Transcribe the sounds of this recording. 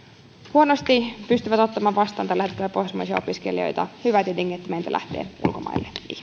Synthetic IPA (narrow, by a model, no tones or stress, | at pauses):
huonost̪ipyst̪yʋæt̪o̞t̪ːɑmɑːʋʋɑst̪ɑːnt̪ɑlæhet̪ːøːpohsmɑ̰isiɑ̰opiskḛlio̞̰jt̪ɑhyʋæt̪ideŋːkːiet̪ːæmeint̪æ̰læ̰ht̪eːʔṵlko̞mɑ̰ilːeʔḭhme